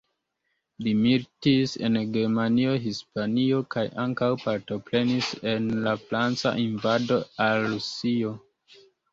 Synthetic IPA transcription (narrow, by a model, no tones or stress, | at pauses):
limiɾtise̞̰nɡe̞ɾmanio̞ɦispanio̞kajʔaŋkawpaɾto̞pɾe̞nise̞nlafɾant͡sa̰ʔinvado̞alːusio̞